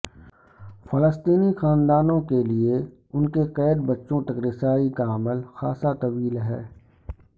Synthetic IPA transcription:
fɐləst̪iːnixaːnd̪aːnõkelie | ʊnkeqɛːd̪bɐtːʃõt̪ɐkɾɪsaːikaəməlxaːsat̪ɐʋiːlɦɛ̰ː

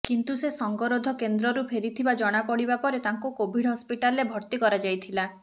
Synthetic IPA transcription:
kint̪usesɔŋɡɔɾod̪ʱɔkend̪ɾɔɾupʰeɾit̪ʰibad͡ʒɔɽ̃apɔɽibapɔɾet̪aŋkukobʱiɽɦɔspiʈalebʱɔɾt̪ikɔɾad͡ʒajt̪ʰila

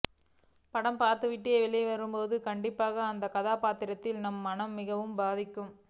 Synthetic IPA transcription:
pɐɽɐmpaːɾt̪ɯʋɪʈːeːʋɪɭɐʋɐɾɯmpoːðɯkɐɳɖɪpːaːɣɐːnd̪ɐkɐðaːpaːt̪ɪɾɐt̪ːɪlnɐmːɐnɐmːɪɣɐʋɯmbaːðɪkːɯm

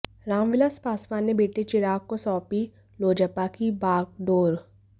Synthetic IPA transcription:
ɾaːmʋɪlaspaːsʋaːnːebeːʈet͡ʃɪɾaːkːosɔːpi | loːd͡ʒəpːakibaːɡ̚ɖoːɾ

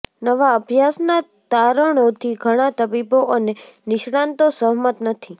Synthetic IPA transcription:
nəʋaəbʱjasna | t̪aɾəɽ̃ot̪ʰiɡʱəɽ̃at̪əbiboʔəne | nɪʃɽ̃ant̪osəɦmət̪nət̪ʰi

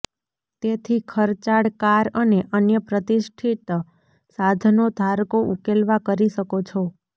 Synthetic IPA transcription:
t̪et̪ʰikʰəɾt͡ʃaɽkaɾəneʔənjəpɾət̪iʃʈʰit̪ | sad̪ʱnod̪ʱaɾkoʔukelʋakəɾiʃəkot͡ʃʰo

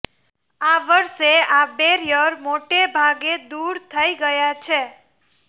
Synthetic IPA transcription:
aʋəɾʃeabeɾjəɾmoʈebʱaɡed̪uɾt̪ʰəiɡəjat͡ʃʰe

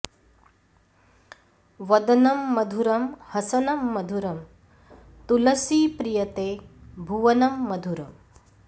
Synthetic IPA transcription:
ʋɐd̪ɐnɐmːɐd̪ʱuɾɐmhɐsɐnɐmːɐd̪ʱuɾɐm | t̪ulɐsiːpɾijɐt̪eːbʱuʋɐnɐmːɐd̪ʱuɾɐm

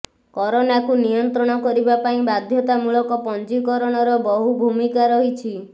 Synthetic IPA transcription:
kɔɾonakunijɔnt̪ɾɔɽ̃ɔkɔɾibapaĩbad̪ʱjɔt̪amuɭɔkɔpɔnd͡ʒikɔɾɔɽ̃ɔɾɔbɔɦubʱumikaɾɔɦit͡ʃʰi

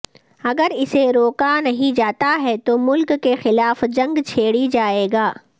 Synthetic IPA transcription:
ɐɡəɾɪseɾoːkanɐɦĩd͡ʒaːt̪aɦɛt̪omʊlkːexɪlaːfd͡ʒɐ̃ŋɡt͡ʃʰeːɽid͡ʒaːeːɡaː

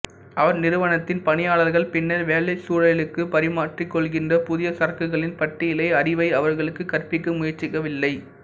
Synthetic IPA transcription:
ʔɐʋɐɾnɪɾɯʋɐnɐt̪ːɪnpɐnɪjaːɭɐɾɣɐɭpɪnːɐɾʋeːɭɐɪsuːɻɐɪlɯkːɯpɐɾɪmaːʈrikːɔɭɣɪndrɐpʊðɪjɐsɐɾɐkɯɣɐɭɪnpɐʈːɪjɪlɐɪɐɾɪʋɐɪɐʋɐɾɣɐɭɯkːɯkɐrpɪkːɯmʊjɐɾt͡ʃːɪkːɐʋɪlːɐɪ

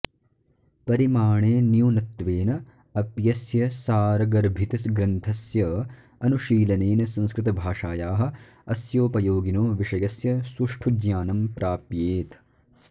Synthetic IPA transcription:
pɐɾimaːɳeːnjuːnɐt̪ːʋeːnɐ | ɐpjɐsjɐsaːɾɐɡɐɾbʱit̪ɐsɡɾɐnt̪ʰɐsjɐ | ɐnuʃiːlɐneːnɐsɐ̃nskɾɪt̪ɐbʱaːʂaːjaːɦɐ̆ | ɐsjoːpɐjoːɡinoːʋiʂɐjɐsjɐsuʂʈʰud͡ʒjaːnɐmpɾaːpjeːt̪

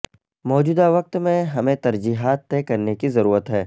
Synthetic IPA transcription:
mɔːd͡ʒuːd̪aʋɐq̚t̪mẽɦɐmẽt̪ɐɾd͡ʒiːɦaːt̪ːɛːkɐɾnekizɐɾuːɾət̪ɦɛː

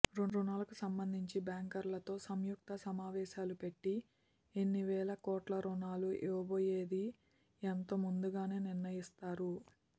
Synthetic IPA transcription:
ɾuɾunaːlɐkusɐmbɐnd̪ʱiɲt͡ʃibaːŋkɐɾlɐt̪o̞ːsɐmjuk̚t̪ɐsɐmaːʋɛːʃaːlupeʈːi | enːiʋɛːlɐkɔːʈlɐɾunaːluʔeʋɐboːjeːd̪i | ent̪omund̪uɡaːne̞ːniɾnɐjist̪aːɾu

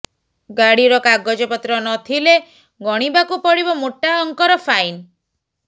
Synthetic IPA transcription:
ɡaɽiɾɔkaɡɔd͡ʒɔpɔt̪ɾɔnɔt̪ʰile | ɡɔɽ̃ibakupɔɽibɔmoʈːaɔŋkɔɾɔfʰajn

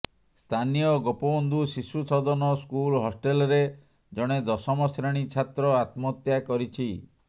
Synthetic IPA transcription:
st̪ʰanijɔɡopɔbɔnd̪ʱusisut͡ʃʰɔd̪ɔnɔskulɦosʈelɾe | d͡ʒɔɽ̃ed̪ɔsɔmɔsɾeɽ̃it͡ʃʰat̪ɾɔat̪mɔt̪jakɔɾit͡ʃʰi

